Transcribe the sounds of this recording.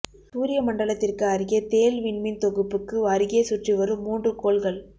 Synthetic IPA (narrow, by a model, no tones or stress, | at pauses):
suːɾɪjɐmɐɳɖɐɭɐt̪ːɪrkɯɐɾɯɣet̪eːlʋɪnmɪnt̪ɔɣɯpːɯkːɯɐɾɯɣeːsʊʈriʋɐɾɯmːuːndrɯkoːɭɣɐɭ